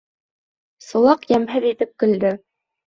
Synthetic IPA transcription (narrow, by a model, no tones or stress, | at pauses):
sɤ̆lˠɑqjæmɦɘðit̪ɘp̚kɵ̆ld̪ɘ